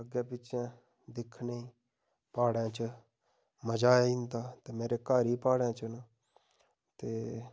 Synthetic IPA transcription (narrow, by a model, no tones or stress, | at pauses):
əɡeːpɪt͡ʃãː | d̪ɪkʰneiː | paːɽãːt͡ʃə | məd͡ʒaːɪ̃nd̪aːt̪eːmeːɾeːkaːɾiːpaːɽẽːt͡ʃənə | t̪eː